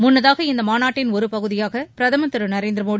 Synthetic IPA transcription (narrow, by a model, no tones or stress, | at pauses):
mʊnːɐðaːɣɐɪnd̪ɐmaːnaːʈːɪnɔɾɯpɐɣɯðɪjaːɣɐpɪɾɐðɐmɐt̪ːɯɾɯnɐɾeːnd̪ɪɾɐmoːɽi